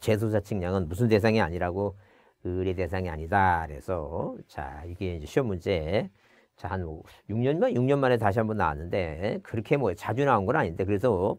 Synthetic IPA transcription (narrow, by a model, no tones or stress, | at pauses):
t͡ɕe̞s̬ʰosʰat͡ɕʰɯŋɲaŋɯnmus̬ʰɯnde̞s̬ʰaŋia̰ɲiɾaɡo | ɯɾete̞s̬ʰaŋia̰ɲidaɾe̞̰sʰʌt͡ɕa̰iɡe̞ind͡ʑe̞ɕʰiʌmund͡ʑe̞ | t͡ɕahanmʌjuŋɲʌnmajuŋɲʌnmanetaɕ̬ʰiɦanbʌnːa̰wa̰nːɯnde̞kɯɾʌkʰe̞mwʌt͡ɕad͡ʑunaunɡʌɾaɲinde̞kɯɾe̞s̬ʰʌ